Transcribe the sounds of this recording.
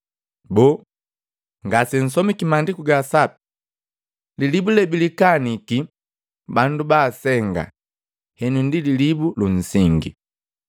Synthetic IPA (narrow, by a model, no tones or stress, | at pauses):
bɔː | ŋɡasɛn̩s̬ɔmikimandikuɡasapi̥ | lilibulɛbilikaniki | bandubaːsɛŋɡa̰ | hɛnundililibulun̩siŋɡḭ